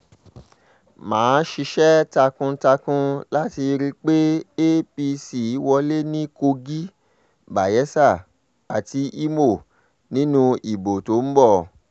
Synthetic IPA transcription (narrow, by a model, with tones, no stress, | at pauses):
mãː˨˦ʃi˧ʃɛ˦ta˧kũ˧˦ta˧kũ˦la˦ti˧ɾi˦˧k͡pe˦e˦pi˧si˨˦wɔ˧le˦nĩ˦ko˧ɡi˦ | ba˨jɛ˨˦sa˦˨ | a˨ti˧i˦mo˦˨ | nĩ˦nũ˧i˨bo˨to˨˦m̩˦bɔ˦˨